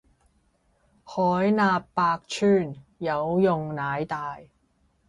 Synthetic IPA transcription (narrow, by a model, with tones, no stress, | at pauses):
hɔː˨˥jnaː˧pːaː˧k̚t͡ʃʰyː˥˩njɐ˨˧wjʊ˨ŋnaː˨˥jt̪aː˨j